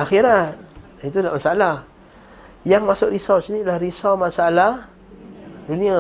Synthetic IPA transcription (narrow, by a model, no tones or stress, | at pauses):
axiɾat̪̚ | it̪udlaʔmasaalah | jaŋmasʊkɾisawsnilahɾisawmasaalah | dunĩa